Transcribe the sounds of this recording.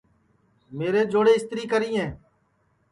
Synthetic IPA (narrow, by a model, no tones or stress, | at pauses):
meːɾeːd͡ʒoːɽeːɪst̪ɾiːkəɾĩːɦɛ̃ː